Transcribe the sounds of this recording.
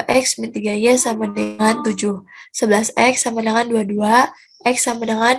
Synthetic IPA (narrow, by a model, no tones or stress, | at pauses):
ʔɛksmint̪iɡajasamanaŋant̪ud͡ʒuhsəbəlasɛksamanaŋanduadua | ʔɛksamanaŋan